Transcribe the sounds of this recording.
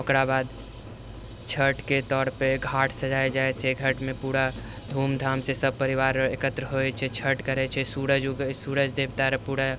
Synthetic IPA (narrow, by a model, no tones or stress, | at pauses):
okɾabad̪ | t͡ʃʰəʈket̪ɔːɾpeɡʱaʈʰsəd͡ʒajd͡ʒaet͡ʃʰɛɡʱəʈmẽpuɽa | d̪ʱumd̪ʱamsesəb̚pəɾiʋaːɾekət̪ɾəɦot͡ʃʰɛt͡ʃʰəʈkəɾɛt͡ʃʰɛsuɾəd͡ʒɡsuɾəd͡ʒd̪ebt̪aɾpuɽa